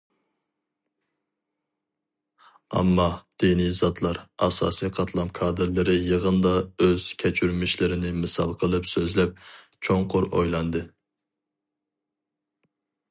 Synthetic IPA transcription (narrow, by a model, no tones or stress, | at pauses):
ɑ̰mːɑd̪̥inizɑt̪ʰlˠɑɾɑ̰sɑ̰ːsijqʰɑt̪ʰlˠɑmkʰɑːd̪ɨɾlɨɾɨjəʁənd̪ɑøz̥kʲʰɛt͡ʃʰyɾmɪʃlɪɾɪnɪmɨsɑlˠqʰəlˠɨpsøzlɛp̚ | t͡ʃʰoŋqʰʊɾo̰jlˠɑnd̪ɨ